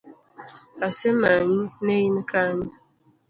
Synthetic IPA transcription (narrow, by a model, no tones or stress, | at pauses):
asɛmaɲinejinkʰaɲi